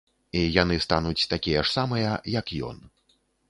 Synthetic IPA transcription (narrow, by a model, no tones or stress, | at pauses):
ijanɨst̪anut͡sʲt̪akʲijɐʂsamɨjɐjɐkjɔ̰n